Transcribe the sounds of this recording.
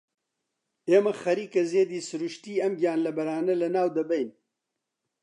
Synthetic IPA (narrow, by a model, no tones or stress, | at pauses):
emɐxɐɾiːkɐzeːd̪isuɾuʃt̪iːɐmɡʲjaːnlɐbɐɾaːnɐlɐnaːwd̪ɐbɐjn